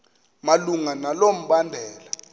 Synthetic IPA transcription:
maluŋanalom̩ɓandʱɛːla

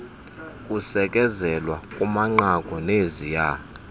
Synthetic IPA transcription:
kʼusɛkʼɛzɛlwakʼumaŋ͡ǃakʼɔnezija

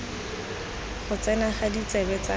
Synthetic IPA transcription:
χʊt͡sɛnaχadit͡sɛbɛt͡sa

